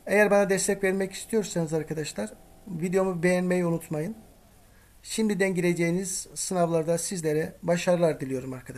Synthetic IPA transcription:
e̞jæɾbanad̪ɛst̪ʰɛcvɛɾmɛci̥st̪ʰijo̞ɾsanɯzaɾkʰad̪aʃlˠaɾ̥ | vid̪ejo̞mube̞jænmejunut̪majɯn | ʃimd̪id̪ænɟiɾe̞d͡ʒejiniz̥sɯnavlˠaɾd̪asizlʲeɾɛbaʃaɾɯlˠaɾd̪ilʲijo̞ɾumaɾkʰad̪aʃ

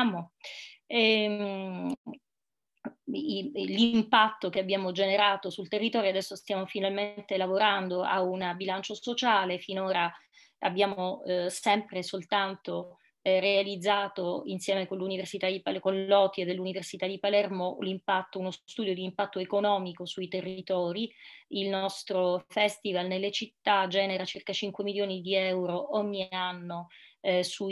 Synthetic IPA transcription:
mo | ɛ | limpat̪ːokeabːjaːmod͡ʒeneɾaːt̪osult̪erːit̪ɔːɾjoad̪ɛsːost̪jaːmofinalment̪elavoɾand̪oʔaunabilant͡ʃosot͡ʃaːlefinoːɾa | a̰bːjaːmosɛmpɾesolt̪ant̪o | realid̪zːaːt̪oinsjɛːmekonluniversit̪ad̪ipalkonllɔt̪jed̪elːuniversit̪ad̪ipalɛrmolimpat̪ːounost̪ud̪jod̪iːmpat̪ːoekonɔːmikosuit̪erːit̪ɔːɾiilnɔst̪ɾofɛst̪ivalnelːet͡ʃit̪ːad͡ʒɛːneɾat͡ʃirkat͡ʃiŋkwemiljoːnid̪iɛwɾoʔoɲːianːosu

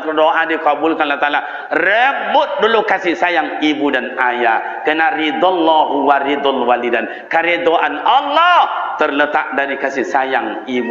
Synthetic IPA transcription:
pərdoʔadikabʊlkanlat̪ala | rɛbʊt̪̚dulukasɪsajaŋibudanaja | kənarid̪ɔlːɔɦuwaɾid̪ɔlwalidan | kaɾɛd̪oʔanalːɔt̪ərlət̪aʔdaɾikasɪhsajaŋ | ibu

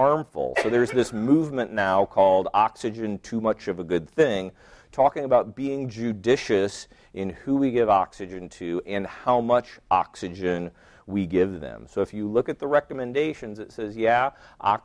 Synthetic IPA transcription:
ɑɹɱfl̩ˠsoʊðə˞zðɪsmuvmɨ̃nːaʊkʰɔlˠdɑksɨd͡ʒɨ̃ntʰʉmʌt͡ʃʌvəɡʊd̪̚θɪ̃ŋ | tʰɔkɪ̃ŋəbaʊt̚b̥iɪ̃ŋd͡ʒʉdɪʃɨs | ʔɨ̃nhuwiɡɪvɑ̰ksɨd͡ʒɨ̃ntʰʉʔɨ̃nhaʊmʌt͡ʃɑ̰ksɨd͡ʒɨ̃n | wiɡɪvðɨ̰̃msoʊəfjɨlʊkɨt̪̚ðəɹɛkəmɨ̃ndeɪʃɨ̃nzɨtsɛzjæʔɑ̰

